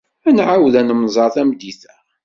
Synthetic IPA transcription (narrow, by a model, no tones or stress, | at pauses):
ænʕawðænəmzˤɑɾˤθæmd̪iθæ